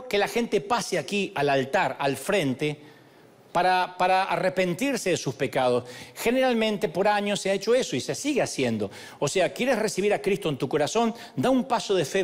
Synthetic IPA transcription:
kelaxe̞nt̪e̞paseakialalt̪aɾalfɾe̞nt̪e | paɾapaɾaa̰repe̞nt̪iɾseðesuspe̞kað̞o̞sxeneɾalmẽnt̪epo̞ɾaɲosːeaet͡ʃoesoise̞siɣeasjend̪o̞ | oseakjeɾesresiβ̞iɾakɾist̪o̞ent̪uko̞ɾaso̞n | d̪aumpaso̞ðefe

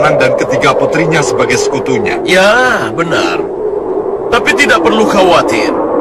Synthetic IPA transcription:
nandankət̪iɡaput̪ɾiɲasəbaɡajsə̥kut̪uɲa̰jabəna̰r | t̪apit̪idaʔ̚pərluxawat̪ɪ̰r

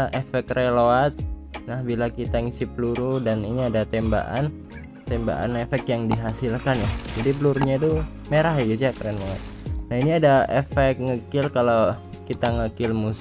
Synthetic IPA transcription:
ʔefɛkrɛloat̪̚nahbilakit̪aŋisipəluɾudaniniadat̪ɛmba̰ʔa̰n | t̪ɛmba̰ʔa̰nefɛkjaŋdiɦasilkanjahd͡ʒadipəluɾuɲat̪u | meɾaɦjaɡisiakɾɛnmoa̰t̪̚nahiniadaefɛk̚ŋəkɪlkala | kit̪aŋəkɪlmus

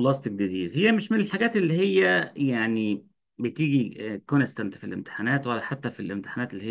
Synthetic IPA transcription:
lɑst̪ik̚d̪iziːzhejːæmeʃmenelħaɡæːt̪elːihejːæjaʕni | bet̪iːɡikonest̪ænt̪filʔḛmt̪e̥ħanæːt̪wælːæħat̪ːæfilʔemt̪e̥ħanæːt̪elːiej

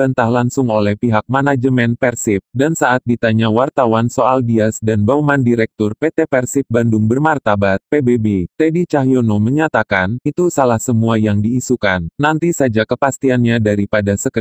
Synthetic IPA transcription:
ənt̪ahlaŋsʊŋolɛhpiɦak̚manad͡ʒəmɛnpɛrsip̚dansaat̪̚dit̪aɲawart̪awansoaldiasdanbamandiɾɛk̚t̪ʊrpet̪epɛrsip̚bandʊŋbərmart̪abat̪̚pebebet̪edit͡ʃaɦjonoməɲat̪akanit̪usalahsəmuajaŋdiːsukanːant̪isad͡ʒakəpast̪ianɲadaɾipadasəkə

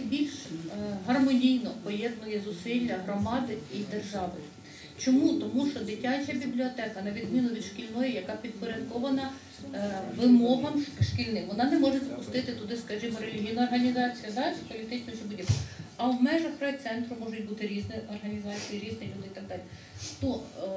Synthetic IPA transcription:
bʲilʲʃɦɐrmɔnʲijnɔpɔjɛd̪nɔjɛzʊsilʲːɐɦɾɔmɑd̪ɪid̪erʒɑʋɪ | t͡ʃɔmut̪ɔmuʃt͡ʃɔd̪ɪtʲɑt͡ʃʲɐbʲiblʲiɔt̪ɛkɐnɐʋʲid̪mʲinʊʋʲid̪ʃkʲilʲnɔjɛjɐkɑpʲid̪̚pɔɾʲɐd̪kɔʋɐnɐ | ʋɪmɔɦɐmʃkʲilʲnɪmʋɔnɑnɛmɔʒesʲpʊst̪ɪt̪ɪt̪ʊd̪ɪskɐʒimɔɾelʲiɦʲijnɐːrɦɐnʲizɑt͡sʲijɐd̪ɑpɔlʲit̪ɪt͡ʃnɔt͡ʃɛbudʲibɐwmɛʒɐxɾɛt̪sɛnt̪ɾʊmɔʒʊtʲbut̪ɪɾʲiznɛɔrɦɐnʲizɑt͡sʲijiɾʲiznɪlʲud̪ɪit̪ɐɡ̚d̪ɑlʲi | nɔ

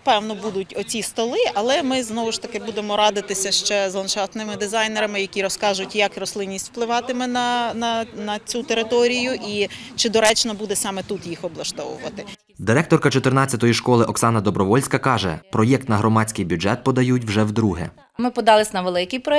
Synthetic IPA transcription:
pɛwnɔbud̪ʊtʲɔt͡sʲist̪ɔlˠɪʔɐlˠɛmɪznɔʋʊʃt̪ɐkɪbud̪emɔɾɑd̪ɪt̪ɪsʲɐʃt͡ʃɛzlˠɐnt͡ʃɑt̪nɪmɪd̪ɪzɑjneɾɐmɪjɐkʲiɾɔskɑʒʊtʲjɐkrɔslˠɪnʲːisʲtʲw̥plˠɪʋɑt̪ɪmɪnɐnɐnɐt͡sʲut̪eɾɪt̪ɔɾʲijʊʔi | t͡ʃɪd̪ɔɾɛt͡ʃnɐbud̪ɛsɑmɛt̪ut̪jixɔblˠɐʃt̪ɔwʊ̰ʋɐ̰t̪ɪ | d̪ɪɾɛkt̪ɔrkɐt͡ʃɔt̪ɪrnɑt͡sʲːɐt̪ɔjiʃkɔlˠɪʔɔksɑnɐd̪ɔbɾɔʋɔlʲsʲkɐkɑʒɛ̰pɾɔjɛk̚t̪nɐɦɾɔmɑt͡sʲkɪjbʲudɛt̪̚pɔd̪ɐjutʲwʒɛwd̪ɾuɦɛ̰ | mɪpɔd̪ɑlˠɪsʲnɐʋelˠɪkɪjpɾɔ

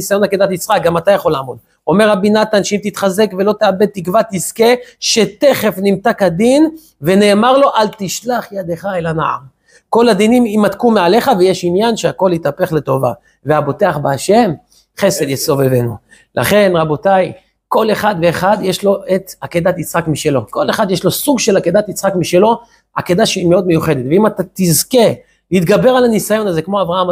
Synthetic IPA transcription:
isajo̞naked̪at̪it͡sʁak̚ɡamat̪ajaχo̞laːmo̞d̪ | o̞meʁabinat̪anʃeimt̪it̪χaze̞kvelo̞t̪eabe̞d̪̚t̪ːikvat̪iskeʃet̪e̞χe̞fnimt̪akad̪in | ve̞ne̞ːmaʁlo̞ʔalt̪iʃlaχjad̪eχaelana̰ʕa̰m | ko̞lad̪inimimat̪kumeʕale̞χavejeʃinjanʃeako̞lit̪ape̞χle̞t̪o̞va̰ | veabo̞t̪e̞aχbeaʃe̞m | χe̞se̞d̪jeso̞vevenu | lʔa̰χe̞nʁabo̞t̪aj | ko̞le̞χad̪veːχad̪jeʃlo̞et̪aked̪at̪it͡sχakmiʃe̞lo̞ko̞leχad̪jeʃlo̞suɡʃe̞lake̞d̪at̪it͡sχakmiʃe̞lo̞ | a̰ke̞d̪aʃeimeo̞d̪me̞juχe̞d̪et̪veimat̪at̪izke̞ | it̪ɡabe̞ʁalanisajo̞naze̞kmo̞avʁaham

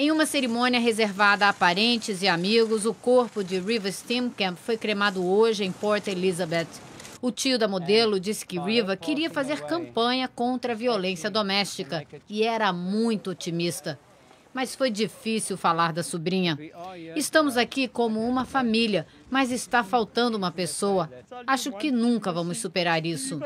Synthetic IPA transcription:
ẽj̃ũmɐseɾimõniɐɦezeɾvad̪ɐapaɾẽnt͡ʃɪzɪamiɡʊzʊkoɾpʊd͡ʒɪɾivɐst̪ĩmkɐ̃pfojkɾemad̪ʊoʒɪẽj̃pɔɾt̪elizɐbet̪ | ʊt͡ʃiʊd̪ɐmod̪elʊd͡ʒisɪ̥kɪɾivɐkɪɾiɐfazeɾkɐ̃mpɐ̃ɲɐkõnt̪ɾɐviolẽsiɐd̪omɛst͡ʃikɐɪɛɾɐmũj̃t̪ʊot͡ʃimist̪ɐ | mɐsfojd͡ʒifisiwfalaɾd̪ɐsubɾĩɲɐɪst̪ɐ̃mʊzakikõmʊũmɐfamiljɐ | mɐzɪst̪afawt̪ɐ̃nd̪ʊũmɐpesowɐaʃʊkɪnũkɐvɐ̃mʊsːupeɾaɾisʊ

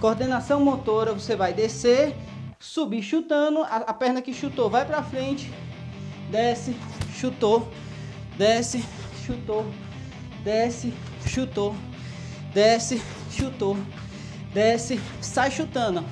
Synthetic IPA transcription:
koɾd̪ẽnasɐ̃w̃mot̪oɾɐvosevajd̪ese | subiʃut̪ɐ̃nʊaɐpɛɾnɐkɪʃut̪ovajpɾɐfɾẽnt͡ʃɪ̥ | d̪ɛsɪ | ʃut̪o | d̪ɛsɪ | ʃut̪o | d̪ɛsɪ | ʃut̪o | d̪ɛsɪ | ʃut̪o | d̪ɛsɪ | sajʃut̪ɐ̃nʊ

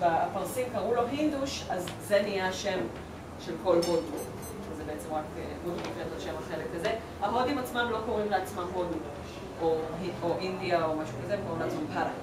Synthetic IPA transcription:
vaapaʁsimkaʁulo̞ɦind̪uʃazzenijaʃe̞m | ʃelko̞lɦodu | ʃezebeet͡se̞mʁakḛmod̪ofetaʃemaχelekːaze | amodimat͡smamlo̞ko̞ʁimleat͡smamhodu | oɦioʔind̪iaomaʃukazemkolat͡smampala

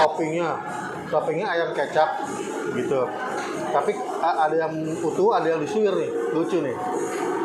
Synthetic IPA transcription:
tɔpɪŋɲa | t̪ɔpɪŋɲaːjaŋkat͡ʃap̚ | ɡit̪u | t̪api | əʔadajaŋ | ut̪uadajadisuɪrnɪhlut͡ʃʊnɪh

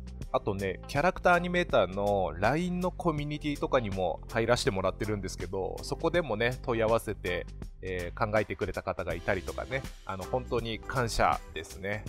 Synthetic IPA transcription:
at̪o̞ne̞kʲaɾakɯ̟̥t̪aːɲ̟ime̞ːt̪aːno̞ɾaĩnːo̞kʰo̞mʲiɲ̟it̪ʲiːt̪o̞kaɲ̟imo̞̰haiɾaɕi̥t̪e̞mo̞ɾat̪ːe̞ɾɯ̟̃nd̪e̞sɨ̥ke̞d̪o̞̰so̞ko̞d̪e̞mo̞ne̞t̪o̞iaβ̞ase̞t̪e̞ː | kãŋɡae̞t̪e̞kɯ̟ɾe̞t̪akat̪aɡait̪aɾʲit̪o̞ka̰ne̞ | a̰no̞hõ̞nt̪o̞ːɲ̟ikʰãɰ̃ɕa̰d̪̥e̞sɨne̞

